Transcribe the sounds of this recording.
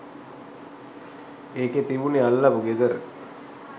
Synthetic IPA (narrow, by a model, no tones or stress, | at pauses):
eːket̪iʋunialːabuɡed̪əɾ